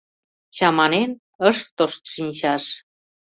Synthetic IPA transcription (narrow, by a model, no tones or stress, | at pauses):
t͡ɕɑmɑnen | əʃt̪ːoʃt̪ʃinʲt͡ɕɑʃ